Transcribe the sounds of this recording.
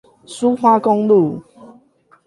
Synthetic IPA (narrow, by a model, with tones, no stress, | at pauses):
su˦xwa˦kɔ˦ŋlu˥˨